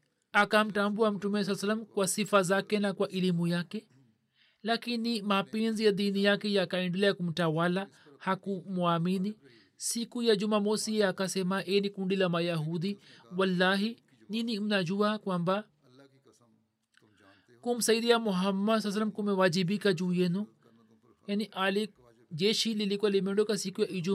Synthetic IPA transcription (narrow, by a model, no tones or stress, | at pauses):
akamʈãmbuamʈumes̬ɐlsɐlːɐmkwasifazaːkenakwaʔɪlimujake | laːkinimapeːnzijad̪iːnijakejakaɪ̃ɳɖulajakumʈawala | hakumuaːmini | sikujad͡ʒumamosieakasemaʔeːnikũɳɖilamajaɦud̪iwɐlːaːɦi | niniumnad͡ʒuwakwamba | kumsɐjid̪ijamuɦɐmːɐs̬as̬lɐmkumewad͡ʒibikad͡ʒujenu | janiʔali | d͡ʒeʃililikualimẽɳɖokasikujaʔid͡ʒu